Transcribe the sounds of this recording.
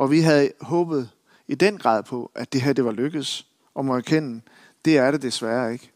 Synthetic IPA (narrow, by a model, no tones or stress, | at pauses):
ʔɒ̽ʋiɦæðˠɦɔːb̥ð̞̩ˠ | id̥en̰ɡ̥ʁɑ̰̈ːð̰ˠpʰɒ̽ʔæd̥e̝ɦæɐd̥e̝ʋɑ̈løɡ̥əð̩ˠs | ɒ̽mɒæɐkʰen̰̩ | d̥e̝æɐɾ̥e̝d̥e̝sʋæːɐe̝ɡ̥